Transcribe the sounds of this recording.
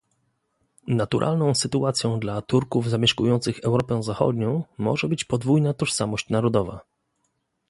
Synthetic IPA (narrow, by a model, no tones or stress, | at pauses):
nat̪uɾʔa̰lnɔ̃w̃sɘt̪uat̪sʲjɔ̃w̃d̪lat̪uɾkuvzamʲjɛʂkujɔnt̪sɘxɛwɾɔpɛ̃zaxɔ̰d̪ɲɔ̃w̃mɔ̰ʐɛbɘt͡ɕpɔd̪vujnat̪ɔʂsamɔɕt͡ɕnaɾɔd̪ɔva̰